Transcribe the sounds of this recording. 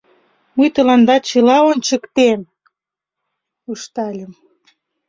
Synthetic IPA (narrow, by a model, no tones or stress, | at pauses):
mujt̪ə̆lɑnd̪ɑt͡ɕə̆lɑonʲt͡ɕə̆kt̪em | uʃt̪ɑlʲəm